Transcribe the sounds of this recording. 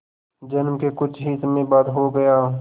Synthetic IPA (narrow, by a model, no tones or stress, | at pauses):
d͡ʒənmkekʊt͡ʃʰɦiːt̪mẽbaːd̪ɦoɡɐjaː